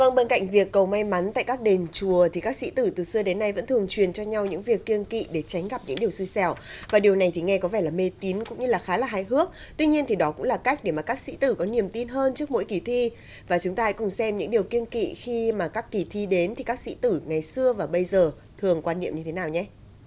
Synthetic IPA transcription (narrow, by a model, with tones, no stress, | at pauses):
və˧ŋɓe˧nka̰˧˨jŋ̟vi˨˩əkːə˨˩wma˧jma˨˦nt̪a̰ː˧˨jkaː˦˥k̚ɗe˨˩nt͡ɕu˨˩ət̪ʰi˨˩kaː˦˥k̚sḭ˧˥t̪ɨ˧˩t̪ɨ˨˩sɨ˧əɗe˨˦nːa˧jvə̰˧˥nt̪ʰɨ˨˩əŋt͡ɕwi˨˩ənt͡ɕɔ˧ɲa˧wɲɨ̰˧˥ŋvi˨˩əkːi˧ənkḭ˧˨ɗe˧˩t͡ɕa˨˦jŋ̟ɣa˨˩p̚ɲɨ̰˧˥ŋɗi˨˩əwsi˧jsɛ˧˩wvaː˨˩ɗi˨˩əwna˨˩jt̪ʰi˨˩ŋɛ˧kɔ˨˦vɛ˧˩laː˨˩me˧˩t̪i˨˦nkʊ̰˧˥ŋ͡mɲɨ˧laː˨˩xaː˨˦laː˨˩ɦaː˧˩jɦɨ˦˥ək̚ | t̪wi˧ɲi˧ənt̪ʰi˨˩ɗɔ˨˦kʊ̰˧˥ŋ͡mlaː˨˩ka˦˥jk̟̚ɗe˧˩maː˨˩kaː˦˥k̚sḭ˧˥t̪ɨ˧˩kɔ˨˦ni˨˩əmt̪i˧nɦəː˧nt͡ɕɨ˦˥ək̚mo̰˧˥jki˨˩t̪ʰi˧ | vaː˨˩t͡ɕʊ˨˦ŋ͡mt̪aː˧ha̰˧˥kʊ˨˩ŋ͡msɛ˧mɲɨ̰˧˥ŋɗi˨˩əwki˧ənkḭ˧˨xi˧maː˨˩kaː˦˥kːi˧˩t̪ʰi˧ɗe˨˦nt̪ʰi˨˩kaː˦˥k̚sḭ˧˥t̪ɨ˧˩ŋa˨˩jsɨ˧əvaː˨˩ɓə˧jzəː˨˩ | t̪ʰɨ˨˩əŋkwaː˧nːḭ˧əmɲɨ˧t̪ʰe˨˦naː˨˩wɲɛ˧˦